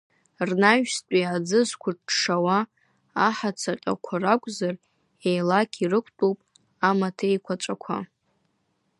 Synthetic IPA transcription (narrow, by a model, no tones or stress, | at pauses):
rnaʒᶣstʷʼiad͡zɨzkʷʰʊʈ͡ʂʂawaː | ħat͡sʰaqʲʼa̰kʷʰarakʷʼzar | ejlakʲʼʰirɨkʷʰtʼupʼ | amatʰejkʷʰaʈ͡ʂʼakʷʰa̰